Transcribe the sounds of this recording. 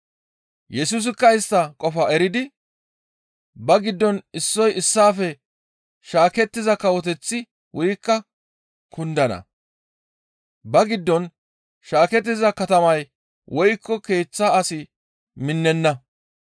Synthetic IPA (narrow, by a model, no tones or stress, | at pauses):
jɛsuːs̬ɪkːɐɪst̪ːɐkʼɔfɐɛɾɪd̪ɪ | bɐɡɪd̪ːɔnɪsːɔjɪsːaːfɛ | ʃaːkɛt̪ːɪzɐkɐwɔt̪ɛt͡sːɪ | wʊjkːɐ | kʰʊnd̪ɐnɐ̰ | bɐɡɪd̪ːɔn | ʃaːkɛt̪̬ːɪzɐkɐt̪ɐmɐj | wʔɔjkːɔke̞ːt͡sːasɪ | mɪnːɛnːɐ